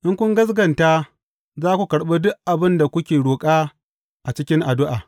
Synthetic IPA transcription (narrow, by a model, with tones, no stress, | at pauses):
ʔɪ˦ŋkʷʊ˦ŋɡɐ˦s̬ɡɐ˨nta˦ | zaː˦kʷu˨kɐ˨ɽɓeː˦dʊ˦ʔʔa˨bɪ˦nda˨kʷʊ˦kʲeː˨ɽoː˨kʼaː˦ | ʔa˨t͡ʃɪ˦kʲɪ˦ŋʔa˨dʊ˦ʔaː˨